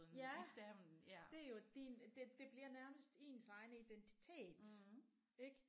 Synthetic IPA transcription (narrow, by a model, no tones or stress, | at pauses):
njæsd̥æmn̩d̥e̝æɐjo̝d̥ind̥ed̥e̝b̥liɐnæɐməsd̥e̝̰ːnsɑ̈ɪnəid̥ent͡sʰi̥t͡sʰe̝̰ːd̥ | eɡ̥